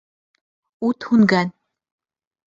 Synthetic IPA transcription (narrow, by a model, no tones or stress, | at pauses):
ut̪huŋɡæn